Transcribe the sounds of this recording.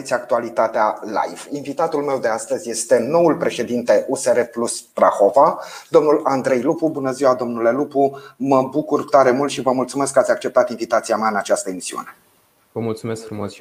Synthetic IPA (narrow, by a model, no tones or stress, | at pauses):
t̪sʲak̚t̪ualit̪at̪eala̰jv̥invit̪at̪ulme̞wd̪e̞ast̪əzʲje̞st̪e̞no̞ulpɾe̞ʃe̞d̪int̪e̞ʔuseɾepluspɾaxovad̪o̞mnuland̪ɾe̞jlupubunəziwad̪o̞mnule̞lupuməbukurt̪aɾe̞mult̪ʃivəmult̪sume̞skəatsʲak̚t͡ʃe̞p̚t̪at̪invit̪at̪sijamʲaɨnat͡ʃast̪əemisiṵne | vəmult̪sumeskfɾumos